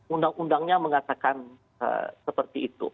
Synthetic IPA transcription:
undaŋundaŋɲaməŋat̪akan | ə̰səpərt̪iːt̪ṵ

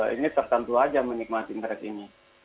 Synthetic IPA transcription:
inɪt̪ːərt̪ənt̪uad͡ʒamənik̚mat̪ind̪əɾɛkini

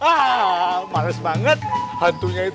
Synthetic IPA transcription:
a | maləsbaŋət̪̚hant̪uŋɲai

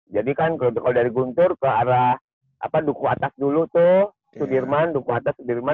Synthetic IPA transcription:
d͡ʒadikankkalodaɾiɡunt̪ʊrkəaɾah | ʔa̰padukuat̪asdulut̪ʊh | sudirmandukuat̪asudirma

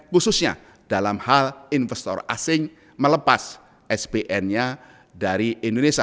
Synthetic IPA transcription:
kususɲa̰ | d̥alamhalinfɛst̪ɔ̰ra̰sɪŋ | mələpas | ɛsbeʔɛnɲa | daɾiʔindonesia

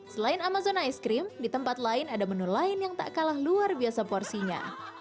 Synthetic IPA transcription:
səlaɪnamazɔnajskɾɪmdit̪əmpat̪laɪnadamənulaɪnjaŋt̪a̰ʔkalahluarbiasapɔrsiɲa̰

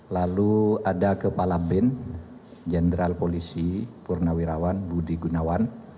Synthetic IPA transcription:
laluadakəpalabɛn | d͡ʒəndɾalpolisipurnawiɾawanbudiɡunawan

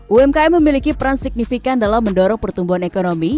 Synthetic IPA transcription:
ʔuɛmkaɛməmilikipəɾansik̚nifikandalamːəndɔɾɔŋpərt̪umbuɦanekonomi

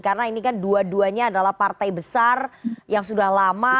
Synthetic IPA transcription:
karənainikanduaduaɲaːdalahpart̪ajbəsarjaŋsudahlama

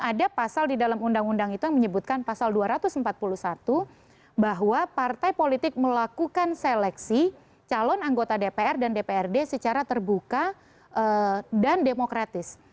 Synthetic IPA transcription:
adapasaldidalamundaŋundaŋit̪ujaŋməɲəbut̪̚kanpasalduaɾat̪ʊsəmpat̪̚puluhsat̪u | baɦwapart̪ajpolit̪ɪk̚məlakukanselɛksi | t͡ʃalɔnaŋɡot̪adepeɛrdandepeɛrdesət͡ʃaɾat̪ərbuka | ʔədandemokɾat̪ɪs

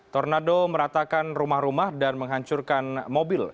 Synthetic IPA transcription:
t̪ɔrnadoməɾat̪akanrumahɾumahdanməŋɦaɲt͡ʃurkanmobɪl

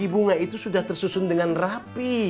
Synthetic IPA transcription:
ibuŋait̪usudaht̪ərsusʊndəŋanrapi

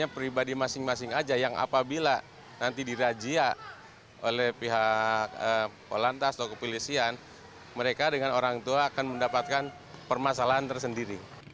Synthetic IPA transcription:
apɾibadimasɪŋmasɪŋad͡ʒajaŋa̰pabila | nant̪idiɾad͡ʒia | olɛhpiɦak̚ə | o̰lant̪ast̪akəpilisian | məɾekadəŋanoɾaŋt̪uaːkanməndapat̪̚kan | pərmas̬alaɦant̪ərsəndiɾi

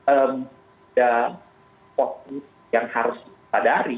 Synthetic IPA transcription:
əm | da | pɔt̪̚ | jaŋhaɾʊs | sadaaɾi

